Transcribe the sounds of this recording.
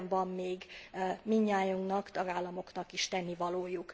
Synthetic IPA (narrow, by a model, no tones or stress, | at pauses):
ɱvɒmːeːɡmiɲːaːjuŋknɒkt̪ɒɡaːlːɒmo̞knɒkiʃt̪ɛnːivɒloːjuk